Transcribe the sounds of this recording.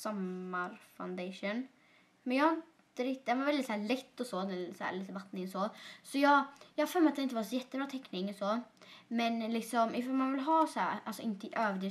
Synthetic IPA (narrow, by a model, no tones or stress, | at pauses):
sɔmːaɾfa̰ʊnd̪eʂun | mɛnjɑːhaɾɪnt̪əɾɪkt̪ɪd̪ɛnvaɾvɛld̪ɪt̪sæːɭɛt̪ːɔsɔd̪ɛsæ̰ːɾliːt̪əvat̪nɪŋɔsɔsɔjɑːɡjɑːhfœlmɛɾat̪d̪ɛnɪnt̪əvasɔjɛt̪ːəbɾɑːt̪ʰɛkːnɪŋɔsɔmɛnlɪksɔmɪfɑmanvɪlɦɑːsæ̰ːɾʔalsɔɪnt̪əɪʔøːvd̪ɪ